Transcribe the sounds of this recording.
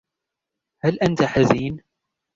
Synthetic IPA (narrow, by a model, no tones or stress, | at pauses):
halʔant̪aħaziːn